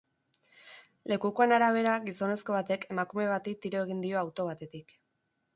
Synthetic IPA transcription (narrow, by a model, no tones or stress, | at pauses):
le̞kukoanaɾaβ̞e̞ɾaɣiso̞ne̞sko̞βat̪e̞ke̞makume̞β̞at̪it̪iɾo̞e̞ɣ̞ind̪io̞awt̪o̞βat̪e̞t̪ik